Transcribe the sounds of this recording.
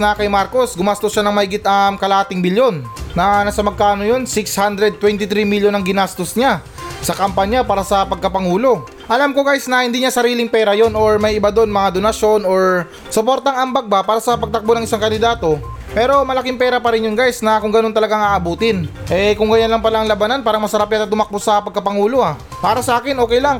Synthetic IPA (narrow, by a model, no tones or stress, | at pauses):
nɐkɐjmaɾko̞sɡʊmast̪oʃanɐŋmɐhɪɡɪt̪ɐmkɐlaːt̪ɪŋbɪljo̞nːɐnasɐmɐɡ̚kaːno̞jo̞nsɪkshand̪ɾɛd̪̚t̪ːwɛnt̪ɪt̪ɾimiljonɐŋɡɪnast̪osɲa | sɐkɐmpaɲjapaːɾɐsɐpɐɡ̚kɐpɐŋuːlo̞ | ʔɐlamkoɡajsnɐhɪnd̪iːɲasɐɾiːlɪŋpɛːɾɐjo̞nʔo̞ɹmɐjɪbad̪o̞nmɐŋad̪o̞nɐʃjo̞no̞ɹ | sopo̞ɾt̪ɐŋɐŋbɐɡ̚bapaːɾɐsɐpɐɡ̚t̪ɐk̚bonɐŋʔɪsaŋkɐnd̪ɪd̪aːt̪o̞ | pɛːɾo̞mɐlɐkɪŋpɛːɾɐpɐɾɪnjʊŋɡajsnɐkʊŋɡɐnot̪ɐlɐɡaŋaːʔɐbuːt̪ɪnʔɛkʊŋɡɐjanlɐŋpɐlaʔɐŋlɐbananpaːɾɐŋmɐsɐɾap̚jat̪ɐt̪ʊmɐk̚bosɐpɐɡ̚kɐpɐŋuːlo̞ha | paːɾɐsɐʔaːkɪnʔoːkɛjlaŋ